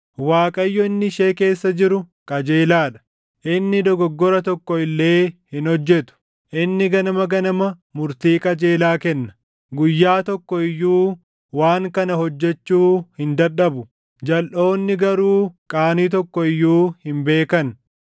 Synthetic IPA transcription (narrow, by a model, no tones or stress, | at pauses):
waːkʼɐjːɔɪnːɪʃe̞ːke̞ːsːɐd͡ʒɪɾʊkʼɐd͡ʒeːlaːᶑɐ̥ | ʔɪnːɪd̪ɔɡɔɡːɔɾɐt̪ɔkːɔɪlːe̞ːhɪnhɔd͡ʒːɛt̪ʊ̥ | ʔɪnːɪɡɐnɐmɐɡɐnɐmɐmʊɾt̪iːkʼɐd͡ʒe̞ːlaːkɛnːɐ̥ | ɡʊjːaːt̪ɔkːɔɪjːuː | waːŋkɐnɐɦɔd͡ʒːɛt͡ʃːuːhɪnd̪ɐᶑɐbʊ | d͡ʒɐlʔo̞ːnːɪɡɐɾuːkʼaːniːt̪ɔkːɔɪjːuːhɪmbe̞ːkɐn